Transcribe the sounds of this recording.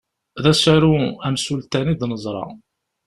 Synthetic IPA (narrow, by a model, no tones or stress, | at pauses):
ðæsaɾuæmsult̪æniðnəzˤɾˤɑ̰